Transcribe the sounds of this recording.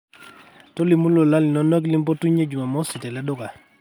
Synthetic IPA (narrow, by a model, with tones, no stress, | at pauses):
tɔ˦li˨mu˦lo˨la˦li˨nɔ˦nɔ˦k̬li˦mpɔ˦tu˦ɲe˦d͡ʒu˨ma˨mɔ˦si˨tɛ˨lɛ˦dʊ˦ka˨